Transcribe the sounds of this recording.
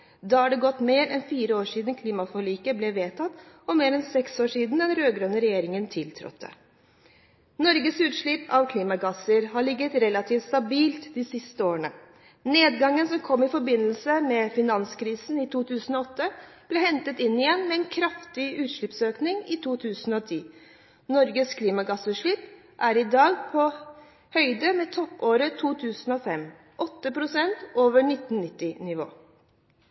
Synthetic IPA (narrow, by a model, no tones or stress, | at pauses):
d̪ɑhɑɖɛɡɔt̪ːmeːɾɛnfiːɾəoːʂiːd̪n̩kʰliːmɑfɔɭiːkəblɛʋeːt̪ʰɑt̪ː | ɔmeːɾɛnsɛksoːʂiːd̪n̩d̪ɛnɾøːɡɾønəɾɛjeːɾɪŋənt̪ʰɪlt̪ʰɾɔ̰t̪ʰːə̰ | nɔɾɡəsʉːt̪ʂɭipʰɑʋkʰliːmɑɡɑsəɾɦɑɭɪɡːət̪ɾɛlɑt̪ʰiːft̪st̪ɑbiːlt̪d̪ɪsɪst̪əoːɾəɳə | neːd̪ɡɑŋːənsɔmkʰɔmːɪfɔɾbɪnːəlsəmɛfɪnɑnskʰɾiːsn̩ɪt̪ʰuːt̪ʰʉːsn̩ɔɔt̪ːəb̥lɛːhɛnt̪ət̪ɪnːɪjɛnːmɛɛnkʰɾɑft̪ɪʉːt̪ʂɭɪpsøːknɪŋɪt̪ʰuːt̪ʰʉːsn̩ɔt̪ʰiː | nɔɾɡəskʰliːmɑɡɑsʉʂɭɪp | ʔæɾɪd̪ɑːɡpʰɔ | hœʏd̪əmɛt̪ʰɔpːoːɾət̪ʰuːt̪ʰʉːsn̩ɔːfɛm | ʔɔt̪ːəpʰɾʊsɛnt̪oːʋəɳɪt̪ːn̩nɪt̪ːɪnɪʋo̰ː